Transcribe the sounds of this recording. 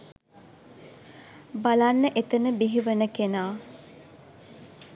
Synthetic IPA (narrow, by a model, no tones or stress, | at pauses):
balanːəʔet̪ənəbiɦiʋənəkenaː